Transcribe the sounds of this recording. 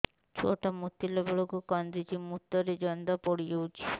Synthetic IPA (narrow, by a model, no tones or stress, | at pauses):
t͡ʃʰo̰ʈɔmut̪ːilɔbɔɭokukɔnd̪id͡ʒimut̪ːɔɾed͡ʒɔnd̪ɔpoɽijewt͡ʃʰi̥